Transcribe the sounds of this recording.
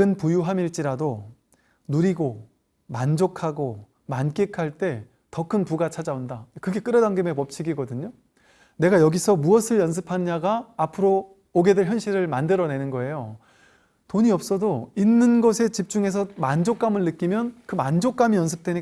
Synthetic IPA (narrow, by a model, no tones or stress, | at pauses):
ɯnpujuɦamiɭt͡ɕ͈iɾado | nuɾiɡo | mand͡ʑokʰaɡo | mank͈ekʰaɭt͈e̞ | tʌkʰɯnpuɡat͡ɕʰad͡ʑaundakɯɡe̞k͈ɯɾʌdaŋɡɯme̞mʌp̚t͡ɕʰiɡiɡʌdɯɲo | ne̞ɡajʌɡisʰʌmuʌsʰɯɭjʌns̬ʰɯpʰanɲaɡaːpʰɯɾoː | ɡe̞deɭçjʌnɕʰiɾɯɭmandɯɾʌne̞nɯnɡʌe̞jo | toɲiʌp̚s͈ʌdoinːɯnɡʌsʰe̞t͡ɕip̚t͡ɕ͈uŋe̞s̬ʰʌmand͡ʑok͈amɯɭnɯk͈imjʌnkɯmand͡ʑok͈amijʌns̬ʰɯ̥p̚t͈weɲi